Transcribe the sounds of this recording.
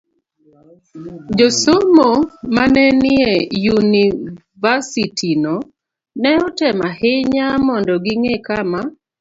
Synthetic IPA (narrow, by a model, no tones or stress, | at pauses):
d͡ʒosomomanɛnɪejuni | vasitʰino | nɛɔtɛmahɪɲamɔndɔɡɪŋekama